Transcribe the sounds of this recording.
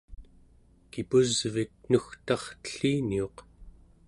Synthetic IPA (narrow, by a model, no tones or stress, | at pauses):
kipuzvik̚nuxt̪ɑχt̪ə̥ɬiːnio̞q